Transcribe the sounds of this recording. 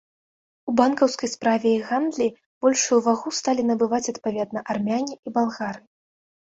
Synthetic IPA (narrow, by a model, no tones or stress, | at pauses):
ubankɐwskɐjspɾavʲɛiɣand̪lʲi | b̥ɔlʲʂujuvaɣust̪alʲinɐbɨvat͡sʲɐt̪pavʲɛd̪nɐʔarmʲanʲiibalˠɣaɾɨ